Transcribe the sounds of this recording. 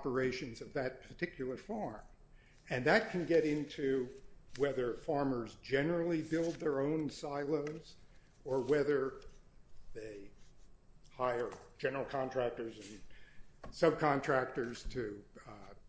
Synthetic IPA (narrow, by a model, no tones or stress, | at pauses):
pə˞eɪʃɨ̃nzʌvðɨt̚pʰə˞tʰɪkʰjl̩ˠə˞fɑɹm | ɨ̃nðɨt̚kʰɨ̃nɡɛɾɪ̃ntʰʉwɛðə˞fɑɹmə˞zd͡ʒɛnə˞l̩ˠibɪlˠd̪̚ðə˞õʊ̃nsaɪlˠoʊz | ə˞wɛðə˞ | ðeɪ | haɪə̥˞d͡ʒɛnə˞l̩ˠkʰɑ̃ntʰɹ̥æk̚tə˞zɨ̃n | sʌb̚kʰɑ̃ntʰɹ̥æk̚tə˞z̥tʰɨ